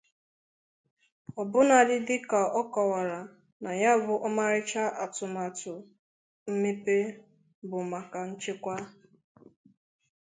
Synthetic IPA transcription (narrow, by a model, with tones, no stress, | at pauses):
ɔ˨bʊ˦na˨dɪ˦dɪ˦ka˨ɔ˦kɔ˨wa˨ɾa˨ | na˨ja˦bʊ˦ʔɔ˦ma˦ɾɪ˦t͡ʃa˦ʔa˨tʊ˨ma˨tʊ˨ | m̩˦me˦pe˦ | bʊ˨ma˨ka˨n̩˦t͡ʃe˦kʷa˦